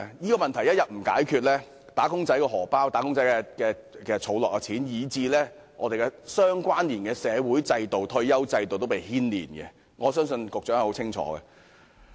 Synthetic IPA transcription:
jiː˥kɔː˧mɐ˨nt̪ʰɐ˨˩jɐ˥t̚jɐ˨t̚m̩˨˩ka̰ː˨˥jkʰyː˨˧t̚lɛː˥ | t̪aː˨˥kʊ˥ŋt͡sɐ˨˥jkɔː˧ɦɔː˨˩paː˥wt̪aː˨˥kʊ˥ŋt͡sɐ˨˦jkɛ˧kɛː˧kɛː˧t͡sʰo˨˥wlɔː˨kːɐ˧t͡sʰiː˨˥njiː˨˧t͡siː˧lɛː˥ | ŋɔ̰ː˨˧t̪e˨jkɛ˧sœː˥ŋkʷaː˥nliː˨˩nkɛː˧sɛː˨˧wuː˨˥jt͡sɐ˧jt̪o˨wt̪ʰɵ˧ɥjɐ˥wt͡sɐ˧jt̪o˨wt̪o˥pe˨jhiː˥nlḭː˨˩nkɛ̰˧ | ŋɔː˨˧sœː˥ŋsɵ˧nkʊ˨k̚t͡ʃœː˨˥ŋɐ˨˩ho˨˧˥wt͡sʰɪ˥ŋt͡ʃʰɔ̰ː˨˥ɡɛ̰˧

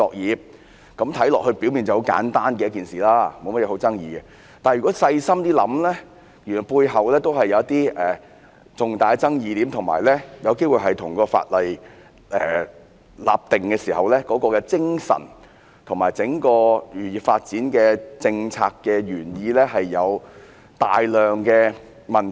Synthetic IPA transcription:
t͡sɔː˨˧k̚jiː˨˧p̚ | kɐ˨˧˥mt̪ʰɐ˨˥jlɔː˨k̚hɵ˧ɥpi˨˥wmi˨nt͡sɐ˨˩ho˨˥wka̰ː˨˥nt̪aː˥nkɛ˧jɐ˥tk̬iː˨˩nsiː˨˩laː˥mo˨˧wmɐ˥t̚jɛ˧ɦwt͡sɐ˥ŋjiː˧ɡɛ˧ | t̪aː˨˩njy˨kɔ˨˥sɐ˧jsɐ˥mt̪iː˥lɐ̰˨˥mlɛː˥ | jy˨˩nɔ˨˩puː˧jɦɐ˨wlɛː˥t̪o˥wɦɐ˨jːɐ˨˧wɐ˥t̚t̪iː˥ʔɛː˨˩ | t͡sʊ˨ŋt̪aː˨˧jt͡sɐ˥ŋjiː˧t̪iː˨˥mt̪ʰʊ˨˩ŋma̰ː˨˩jlɛː˥jɐ˨˧wke˥jwuː˨jɦɐ˨jt̪ʰʊ˨˩ŋkɔː˧fa̰ː˧t̚lɐ˨j | ʔɛː˨ | la̰ː˨p̚t̪ɪ˨˩ŋkɛː˧siː˨˩hɐ˨wlɛː˥kɔː˨˥kɔː˧kɛ˧t͡sɪ˥ŋsɐ̰˨˩n | t̪ʰʊ˨˩ŋmaː˨˩jt͡sɪ˨˥ŋkɔː˧jyː˨jiː˨˩faː˧t̚t͡siː˨˥nkɛː˧t͡sɪ˧ŋt͡sʰaː˧kːɛː˧jyː˨˩njiː˨˧lɛː˥ɦɐ˨jːɐ˨˧w | t̪a̰ː˨jlœː˨ŋkɛː˧ | mɐ˨n

